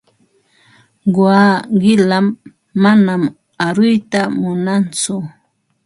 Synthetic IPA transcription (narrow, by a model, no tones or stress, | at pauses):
ɢwaːɢɪlamː | anam | aɾʊjt̪amʊnant͡sʊ